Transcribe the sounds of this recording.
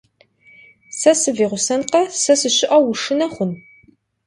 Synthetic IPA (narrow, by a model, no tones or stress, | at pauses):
sɐsɨviːʁʷʊsɐnqɐsɐsɨɕɪʔɐwʊʂɨnɐχʷʊn